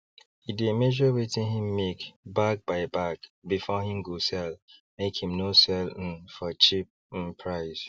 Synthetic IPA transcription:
idemɛd͡ʒɔwetĩnɦĩmːekbak̚baɪbakbifɔhĩmɡosɛlmekhĩmnosɛln̩fɔt͡ʃip̚ | n̩pʰɹaɪs

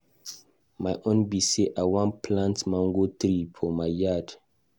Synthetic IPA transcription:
majʔõnbiseʔawãnpʰlãntmɔ̃ŋɡotɾifʰɔmaɪjad

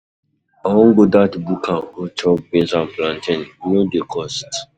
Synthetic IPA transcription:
awɔ̃ŋɡodatbukʰãot͡ʃɔk̚bĩnsãnplãntʰĩnnodekʰɔst

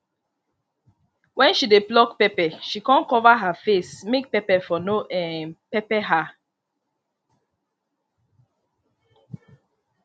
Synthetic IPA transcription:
wɛ̃nʃideblɔkpɛpɛʃikɔ̃nkɔvaɦafesmek̚pɛpɛfɔnoʔɛ̃pɛpɛɦa

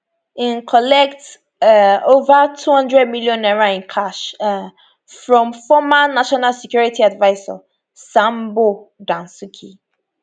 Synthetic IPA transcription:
ĩnkʰɔlɛkt | ovatʰuhʌ̃ndɹɛd̚miljɔ̃nɛɹaĩnkʰaʃ | fɹɔ̃mfɔmanaʃɔnalsɛkjuɹitiadvaɪza̰ | sãmbodãnsukʰḭ

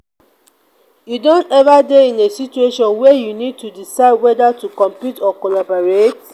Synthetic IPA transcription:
judɔ̃ntɛvadeĩnesit͡ʃueʃɔ̃nwɛjunid̚tudisaɪdwɛdatukɔ̃mpitɔkolabɔɹet

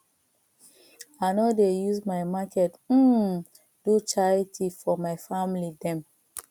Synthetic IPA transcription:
aɪnɔdejuzmajmakʰɛt̩ | d̥ut͡ʃaltʰifɔmaɪfamlidɛ̃m

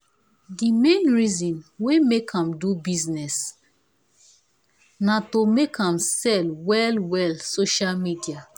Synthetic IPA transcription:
dimẽnɹizɔ̃nwemekʰãmdubiznɛs | natomekʰãmsɛlwɛlwɛlsoʃalmidia

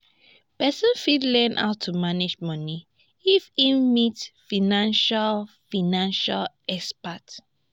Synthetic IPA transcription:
pɛsə̃nfidlɛnʔa̰ʊtʰːumaned͡ʒmɔni | ifimitfinãnʃalfinãnʃal | ɛkspat

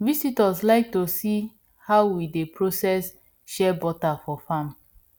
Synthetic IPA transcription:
visitaslaɪk̚tosi | haʊwidepʰɹosɛs | ʃɛbɔtafɔfãm

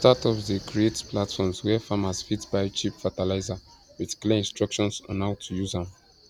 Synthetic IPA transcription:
tatɔfdəkʰɹietplatfɔmswɛfamasfitbaɪt͡ʃipfatalaɪzawiðkleĩnstɹɔkʃɔ̃nsã̰nawtʰujuzãm

